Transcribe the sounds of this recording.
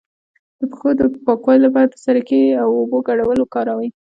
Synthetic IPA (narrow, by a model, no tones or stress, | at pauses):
d̪̥əpe̥xod̪əpɑkwɑjolapɑɾat̪əsaɾakeawoboɡaɽawəlokɑɾawəj